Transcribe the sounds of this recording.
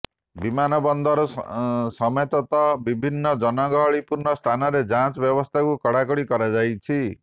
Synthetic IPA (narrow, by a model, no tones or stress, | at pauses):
bimanɔbɔnd̪ʱɔɾɔsɔmet̪ɔt̪ɔbibʱinːɔd͡ʒɔnɔɡɔɦɔɭipuɾnɔst̪ʰanɔɾed͡ʒãt͡ʃɔbjɔbɔst̪ʰakukɔɽakɔɽikɔɾad͡ʒajt͡ʃʰi